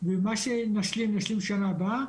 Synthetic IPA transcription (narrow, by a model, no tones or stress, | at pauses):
vemaʃenaʃlimnaʃlimʃanaba